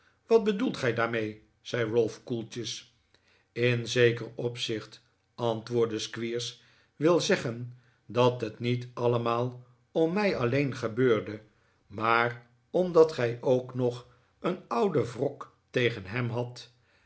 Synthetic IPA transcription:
ʋɑd̚bədulˠtχɛjdaːɹmej | z̥ɛjɹɔlˠfkulˠtəs | ɪnzejkərɔpsɪχt | ɑntʋʊːɹdəskʋiːɹs | ʋɪlˠzɛχən | dɑtɦətnitɑləmaːlˠ | ɔmːɛjɑlejnχəbøːɹdə | maːr | ɔmdɑtχɛjʔowknɔχ | ənʌwdəvrɔk | tejχənɦɛmɦɑt

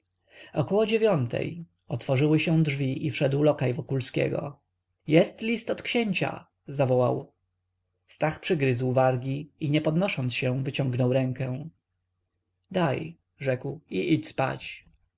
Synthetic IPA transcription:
ɔkɔwɔd͡ʑevʲjɔnt̪ʰɛ̰j | ɔt̪fɔʐɘwɘɕɛ̃w̃dʐvʲiʔifʂɛd̪wlɔkajvɔkulskʲɛ̰ɡɔ̰ | jɛst̪lʲist̪ɔt̪kɕeɲt͡ɕa̰ | zavɔwaw | st̪axpʂɘɡɾɘzwvaɾɡʲiiɲɛpɔd̪nɔʂɔnt̪sɕɛvɘt͡ɕɔ̃ŋɡnɔwɾɛŋkɛ̃ | d̪aj | ʐɛkwiʔit͡ɕspa̰t͡ɕ

